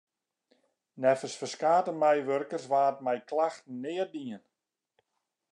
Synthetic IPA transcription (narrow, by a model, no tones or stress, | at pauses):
nɛfəsfərskaːtəmɛjʋørkərsʋaːt̚mɛjklaxtn̩ːɪːərdiən